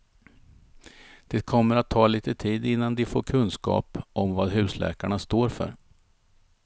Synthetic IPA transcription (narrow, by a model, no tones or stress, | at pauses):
d̪̥ɛkʰɔmːəɾat̪ʰːɑːliːt̪ət̪ʰiːd̪ɪnːand̪ɪfoːɾkʰɵnskɑ̰ːpʔɔmvɑːd̪ɦʉ̟ːslɛ̰ːkaɳast̪oːɾfœ̰ɾ